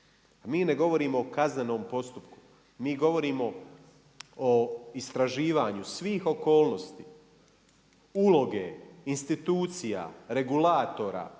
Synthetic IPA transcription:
amiːne̞ɡo̞ʋo̞ɾiːmo̞ːkazne̞no̞ːmpo̞st̪upku̥ | miːɡo̞ʋo̞ɾiːmo̞ | oist̪ɾaʒiːʋaːɲusʋiːxo̞ko̞ːlˠno̞st̪iː | ulˠo̞ɡeinst̪it̪uːt̪sija̰ːɾe̞ɡulaːt̪o̞ɾa̰ː

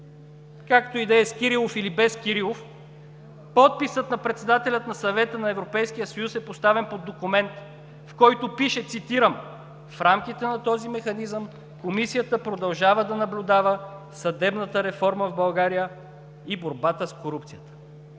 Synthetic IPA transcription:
kakt̪oid̪ɛəskʲiɾilˠofilibɛskʲiɾilˠof | pɔt̪̚pisət̪nɐpɾɛt̪sɛd̪at̪ɛlʲət̪nɐsɐvɛt̪ənɐɛvɾopɛjsk̟ijəsɐjusɛpost̪avɛnpod̪ːokʊmɛnt̪ | fkɔjt̪opiʃɛt̪sit̪iɾəm | fɾamk̟it̪ɛnɐt̪ɔzimɛxɐnizəm | komisijət̪əpɾod̪ɐlˠʒavəd̪ɐnɐblʲʊd̪avə | sɐd̪ɛbnət̪əɾɛfɔɾməvbɐlˠɡaɾijə | iboɾbat̪əskoɾupt̪sijət̪ə̥

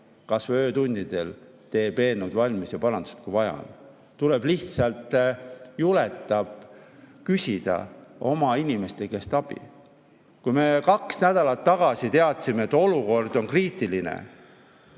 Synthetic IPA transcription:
kɑsvø̞ːt̪unʲd̪̥id̪̥e̞l | t̪e̞ːbe̞ːnud̪vɑlʲmisjɑpɑɾɑnuset̪̚kujvɑjɑ̰n | t̪uleb̥liht̪sɑlt̪ˑjule̞t̪ːˑɑb̥kysʲid̪̥ɑ̰o̞mɑinʲime̞st̪e̞ke̞st̪ɑb̥ḭ | kujme̞kɑksnæd̪̥ɑlɑt̪ːɑɡ̥ɑsit̪e̞ɑt̪ˑsimeet̪ːˑo̞luko̞rd̪̥o̞nkriːt̪ilinḛ

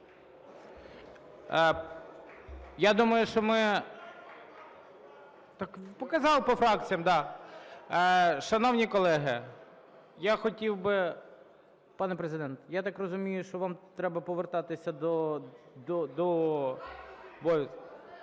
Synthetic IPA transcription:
jad̪umɐjʊʃt͡ʃɔmɪ | t̪ɑkpɔkɐzɑlˠpɔfɾɑk̚t͡sʲijɐmd̪ɑ | ʃɐnɔwnʲikɔlˠɛɦɪ | jaxɔtʲiwbɪ | pɑnɛpɾezɪd̪ɛnt̪jat̪ɑkrɔzʊmʲijʊʃt͡ʃɔʋɑmt̪ɾɛbɐpɔʋert̪ɑt̪ɪsʲɐd̪ɔ | d̪ɔd̪ɔ | bɔ

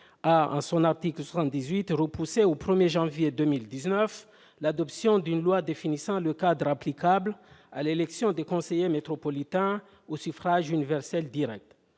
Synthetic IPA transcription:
aɑ̰̃sɔ̃naʁt̪iklswasɑ̃t̪̚d̪izɥit̪ʁəpuseopχəmjeʒɑ̃vjed̪ømild̪iznœf | lad̪ɔpsjɔ̃d̪ynlwad̪efinisɑ̃ləkad̪ʁaplikabla̰lelɛksjɔ̃d̪ekɔ̃sejemet̪χɔpɔlit̪ɛ̃ | osyfʁaʒynivɛʁsɛld̪iʁɛk̚t̪

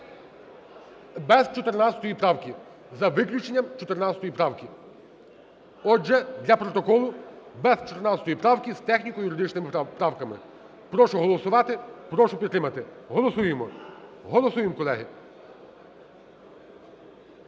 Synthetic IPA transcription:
bɛzt͡ʃɔt̪eɾnat͡sʲsʲɐ̥t̪ɔjipɾɑwkʲi | zɐʋɪklʲʊt͡ʃenʲːɐmt͡ʃɔt̪eɾnɑt͡ssʲɐt̪ɔjipɾɑwkʲi | ɔd͡ʒɛd̪lʲɐpɾɔt̪ɔkɔlˠʊbɛzt͡ʃɔ̥t̪ernɑt͡ssʲɐ̥t̪ɔjipɾɑwkʲiz̥t̪ɛxnʲikɔjuɾɪd̪ɪt͡ʃnɪmɪpɾɑwkɐmɪ̰ | pɾɔʃʊɦɔlˠɔsʊʋɑt̪ɪpɾɔʃʊpʲid̪t̪ːɾɪmɐt̪ɪɦɔlˠɔsujemɔɦɔlˠɔsujemkɔlˠɛɦɪ

